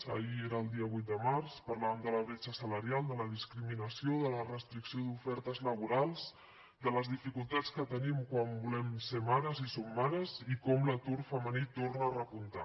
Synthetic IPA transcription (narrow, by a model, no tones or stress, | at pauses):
ə̰ieɾaːlˠd̪iəβ̞ujt̪̚d̪əmaɾspəɾlamd̪ələβɾet͡ʃəsələɾialˠd̪ələðiskɾiminəsijoðələrəst̪ɾiksioðufɛɾt̪əzləβ̞uɾalˠz | d̪ələzðifikulˠt̪at͡skət̪ənimkwambulɛmsemaɾəzisomːaɾəzikɔmlət̪uɾfəmənit̪ornəːrəpunt̪a̰